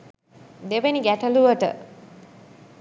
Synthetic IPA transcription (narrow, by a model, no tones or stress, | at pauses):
d̪eʋeniɡæʈəluʋəʈə̰